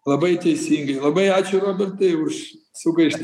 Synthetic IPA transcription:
lˠɐbɐɪt̪ʲɛɪsʲiːŋɡɐɪlˠɐbɐɪɑːt͡ʃʲʊɾoːbʲɛɾt̪ɐɪʊʃ | sʊɡɐɪʃt̪

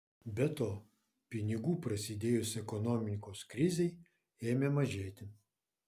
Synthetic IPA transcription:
bʲɛt̪oː | pʲɪnʲɪɡuːpɾɐsʲɪd̪ʲeːjʊsʲɛkɔnɔːmʲɪkoːskɾʲɪzʲɛɪ | eːmʲemɐʒʲeːt̪ʲɪ

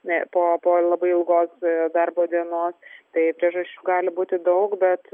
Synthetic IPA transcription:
ɛpoːpoːlˠɐbɐɪɪlˠɡoːsd̪ɐrboːd̪ʲiɛnoːst̪ɐɪpʲɾʲiɛʒɐʃʲt͡ʃʲuːɡɑːlʲɪbuːt̪ʲɪd̪ɐʊkbʲɛt̪

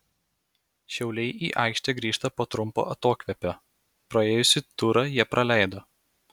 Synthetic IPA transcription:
ʃʲɛʊlʲɛɪʔḭːʔɑˑɪkʃʲt̪ʲɛɡɾʲiːʃt̪ɐpoːt̪ɾʊmpo̰ːʔɐt̪oːkʋʲɛpʲoː | pɾɐeːjʊsʲɪt̪ʊɾɐjiɛpɾʔɐlʲæˑɪd̪oː

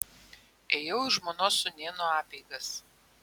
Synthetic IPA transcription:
eːjɛʊɪʒmoːnoːsʊnʲeːnoɑːpʲɛɪɡɐs

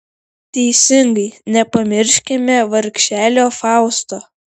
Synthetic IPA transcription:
t̪ʲɛɪsʲɪŋɡɐɪnʲɛpɐmʲɪɾʲʃʲkʲɪmʲɛʋɐɾʲkʲʃʲæːlʲoːfɑˑʊst̪oː

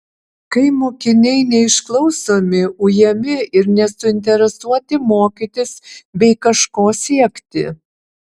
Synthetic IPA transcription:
kɐɪmoːkʲɪnʲɛɪnʲɛɪʃklˠɐʊsoːmʲɪʊjɛmʲɪɪɾnʲɛsʊɪnʲt̪ʲɛɾʲɛsuɔt̪ʲɪmoːkʲɪt̪ʲɪsbʲɛɪkɐʃkoːsʲiɛkt̪ʲɪ̰

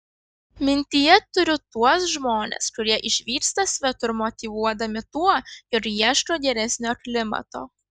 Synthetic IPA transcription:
mʲɪnʲt̪ʲɪjɛt̪ʊɾʲʊt̪uɔsʒmoːnʲḛskʊɾʲiɛʔɪʃʲʋʲiːɾst̪ɐsʲʋʲɛt̪ʊɪɾmɔt̪ʲiʋuɔd̪ɐmʲɪt̪uɔjɔɾjiɛʃtoːɡʲɛɾʲɛsʲnʲoːkʲlʲɪmɐ̰t̪o̰ː

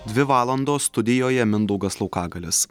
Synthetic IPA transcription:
d̪ʲʋʲɪʋɑːlˠɐnd̪oːsst̪ʊd̪ʲɪjoːjɛmʲɪnd̪ɐʊɡɐslˠɐʊkɑːɡɐlʲɪs

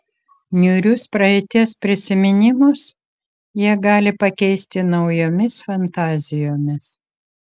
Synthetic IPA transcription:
nʲʊɾʲʊspɾɐɛt̪ʲiɛspʲɾʲɪsʲɪmʲɪnʲɪmʊs | jiɛɡɑːlʲɪpɐkʲɛɪsʲt̪ʲɪnɐʊjoːmʲɪsfɐnt̪ɑːzʲɪjoːmʲɪs

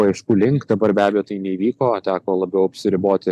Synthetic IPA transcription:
ɐɛɪʃkuːlʲɪŋkd̪ɐbɐɾbʲæːbʲɛjoːt̪ɐɪnʲɛiʋʲiːkoːt̪ʲæːkoːlˠɐbʲɛʊɐpʲsʲɪɾʲɪboːt̪ʲɪ

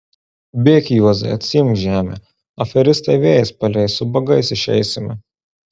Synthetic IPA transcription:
bʲeːkʲɪjuɔzɐɪɐt̪ʲsʲɪjɪmkʒʲæːmʲḛ | ɐfʲɛɾʲɪst̪ɐɪʋʲeːjɛspɐlʲɛɪsʊbɐɡɐɪsɪʃʲɛ̰ɪsʲɪmʲɪ

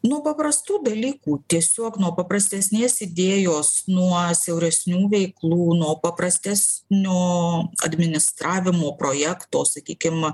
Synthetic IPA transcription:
nuɔpɐpɾɐst̪uːd̪ɐlʲiːkuːt̪ʲiɛsʲoɔknuɔpɐpɾɐsʲt̪ʲɛsʲnʲeːsɪd̪ʲeːjoːsnuɔsʲɛʊɾʲɛsʲnʲuːʋʲɛɪklˠuːnuɔpɐpɾɐsʲt̪ʲæːsʲnʲoːɐ̰d̪ʲmʲɪnʲɪst̪ɾɑːʋʲɪmoːpɾoːjæːkt̪oːsɐkʲiːkʲɪm

